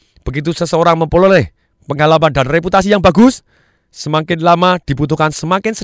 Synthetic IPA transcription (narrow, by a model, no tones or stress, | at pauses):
b̥ə̤ɡit̪̬usəsəoɾaŋməmpolɔleh | pəŋalapand̪anreput̪asijaŋba̤ɡʊsː | əmaŋkɪnlamad̪̥i̤put̪̬ukansəmaŋkɪnsə